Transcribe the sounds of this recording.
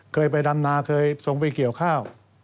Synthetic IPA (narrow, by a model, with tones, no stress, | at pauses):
kʰɤː˧jp̬a˧jda˧mnaː˧kʰɤː˧jso˨˩˦ŋwi˧˩ki˨˩əwkʰaː˥˩w